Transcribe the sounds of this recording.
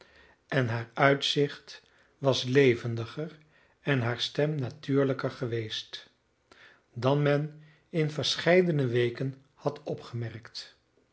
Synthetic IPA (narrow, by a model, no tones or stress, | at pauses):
ɛnɦaːɹœɥtsɪχt | ʋɑslejvəndəχər | ɛnɦaːɹstɛmnatyːɹləkəɹχəʋejst | dɑnmɛn | ɪnvəɹsχɛjdənəʋejkən | hɑtʰɔpχəmɛrkt